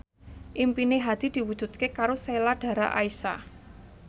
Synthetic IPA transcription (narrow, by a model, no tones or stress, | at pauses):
ʔimpineɦad̪̥i̤d̪̥i̤wud̥ʒ̥ṳd̪̚kekaɾoselaɖ̥a̤ɾaʔaisa̰